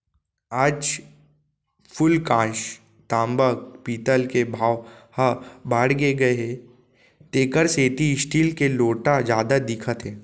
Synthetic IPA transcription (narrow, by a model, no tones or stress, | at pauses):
aːd͡ʒ | fʰʊlkãːʃ | t̪ãːmbək̚piːt̪əlkebʱaːʋhəbaːɽɡeɡɐe | t̪eːkəɾseːt̪iɪsʈiːlkeloːʈad͡ʒjaːd̪ad̪ɪkʰət̪ɦɛ̃ː